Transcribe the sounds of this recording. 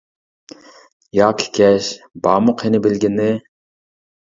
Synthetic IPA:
jɑːkʲʰi̥kʲʰɛʃbɑːmʊqɪnɪbɪlɡʲɪnːɪ

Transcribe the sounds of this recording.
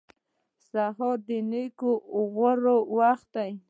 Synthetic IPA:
saɦod̪ɪnikoɣəɾowaxt̪̚aj

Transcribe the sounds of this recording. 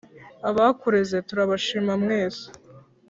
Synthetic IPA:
aβakuɾezetuɾaβaʃiːmamŋeːzḁ

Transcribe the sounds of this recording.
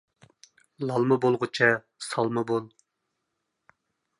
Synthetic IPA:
lˠɑlˠmɨbolˠʁʊt͡ʃʰɛ | sɑlˠmɨbolˠ

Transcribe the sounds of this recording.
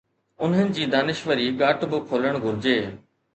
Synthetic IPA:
ʊnɦənɪ̆d͡ʑiːd̪aːnɪʃʋəɾiɡaːʈbɪkʰoːləɽ̃ɡʱʊɾɪd͡ʑeː

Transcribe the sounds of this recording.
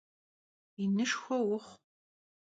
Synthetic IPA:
inɨʂxʷɔwʊχ

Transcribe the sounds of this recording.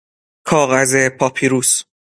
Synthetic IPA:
kʰɒːɣazepʰɒpʰiɾuːs

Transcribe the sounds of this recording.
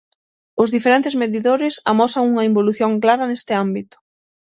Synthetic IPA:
ʊzðifeɾent̪ɪzmeðiðoɾɪsamɔsɐŋuŋɐimboluθjoŋklaɾɐnest̪ɪambit̪ʊ̥

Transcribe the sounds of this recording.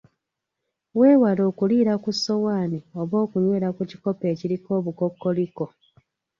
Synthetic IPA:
weːwalo̞ːkuliːɾakusːo̞waːnio̞βo̞ːkuɲwe̞ːɾakuci̥ko̞pe̞ːciɾiko̞ːβuko̞kːo̞liko̞

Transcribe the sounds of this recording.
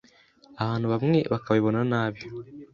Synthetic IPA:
aβaːnhuβamŋe̞βakaβaiβo̞nanaːβjo

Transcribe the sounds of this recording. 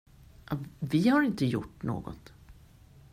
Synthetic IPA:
ɑvɪhaɾɪnt̪əjʊ̰ʈːno̰ːɡɔ̰t̪

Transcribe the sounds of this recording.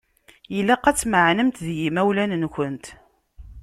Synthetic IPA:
jəlːæqæt͡sːməʕnəmt̪ðjimæwlænnkʷənt̪

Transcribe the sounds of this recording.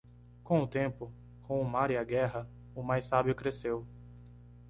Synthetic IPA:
kõʊt̪ẽmpʊ | kõʊmaɾiaɡɛɦɐ | ʊmajsabjʊkɾesew

